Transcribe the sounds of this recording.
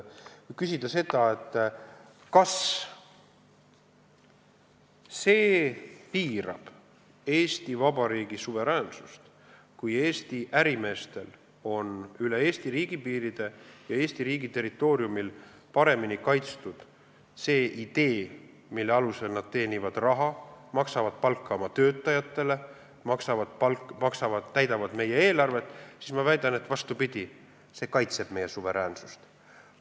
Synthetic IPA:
kysid̪̥ɑse̞d̪ɑe̞t̪ˑː | kɑs | se̞ːpiːɾɑ̰b̥ | e̞ːst̪ivɑbɑɾiːɡ̥isuve̞ɾæːnsust̪ | kuje̞ːst̪iʔæɾime̞ːst̪e̞l | o̞nyle̞e̞ːst̪iɾiːɡ̥ipiːɾid̪̥e̞jɑe̞ːst̪iɾiːɡit̪e̞ɾit̪ːˑo̞ːɾiumil | pɑɾe̞minikɑjt̪st̪ud̪̥ | se̞ːʔid̪̥e̞ː | milːeɑluse̞lnɑd̪̥̚t̪e̞ːnivɑd̪̥rɑɦɑmɑksɑvɑd̪̥̚pɑlkːɑomɑt̪ø̞ːt̪ːˑɑjɑt̪ːˑe̞le̞ | mɑksɑvɑ̥pɑlmɑksɑvɑt̪ːæjd̪ɑvɑd̪̥me̞jee̞ːlɑrve̞t̪ːˑsismɑvæjd̪̥ɑne̞t̪ːvɑst̪upid̪̥ʲi | se̞ːkɑjt̪se̞b̥me̞jesuve̞ɾæːnsu̥st̪

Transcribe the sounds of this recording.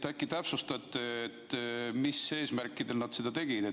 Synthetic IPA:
t̪ækːit̪æpsust̪ɑt̪ːˑeet̪ːmisːe̞ːsmærkːˑid̪e̞lnɑd̪sed̪̥ɑt̪e̞ɡ̥id̪e

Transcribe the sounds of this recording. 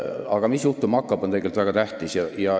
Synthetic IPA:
ɑɡ̥ɑmisjuht̪umɑkːˑɑb̥o̞neɡelt̪væɡɑt̪æht̪isjɑjɑ

